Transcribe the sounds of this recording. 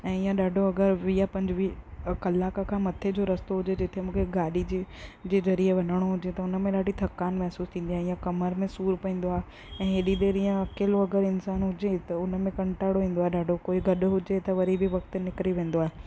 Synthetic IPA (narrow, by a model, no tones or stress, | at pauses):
ɛ̃ːijãɗaːɖʱoɐɡəɾʋijapɐ̃ɲd͡ʑɪʋikɐlaːkakʰãːmɐt̪ʰed͡ʑoɾɐst̪oɦʊd͡ʑed͡ʑɪt̪ʰemũːkʰeɡaːɗid͡ʑed͡ʑeːzɐɾieʋɐnəɽ̃oɦʊd͡ʑet̪ɐʊnəmẽɗaːɖʱit̪ʰɐkːaːnmɛɦsuːst̪ʰĩːn̆d̪iaːɦeɪjãkɐməɾmẽsuːɾpɐĩːn̆d̪oaːɦe | ɛ̃ːɦeɗiɗ̪eːɾijãɐkeːloɐɡəɾɪnsaːnɦʊd͡ʑet̪ɐʊnəmẽkɐ̃ɳʈaːɪɽoɦĩːn̆d̪oaːɦeɗaːɖʱokoːiɡʱɐɗɦʊd͡ʑet̪ɐʋɐɾibɪʋɐk̚t̪nɪkɾiʋẽːn̆d̪oaːɦe